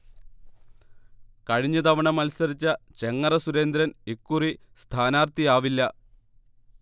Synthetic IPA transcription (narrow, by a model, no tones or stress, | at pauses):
kɐɻiɲːɐt̪ɐʋɐɳɐmɐlsɐɾit͡ɕːɐt͡ɕe̞ŋːɐrɐsuɾe̞ːnd̪ɾɐnekːuri | st̪ʰaːnaːrt̪ijaːʋilːɐ